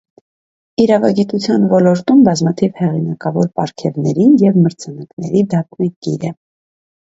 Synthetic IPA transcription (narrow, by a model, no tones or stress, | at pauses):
iɾɑvɑɡit̪ut͡sʰjɑnvɔlɔɾt̪umbɑzmɑt̪ʰivhɛʁinɑkɑvɔɾpɑɾkʰɛvnɛɾinjɛvməɾt͡sʰɑnɑknɛɾid̪ɑk̚nɑkiɾə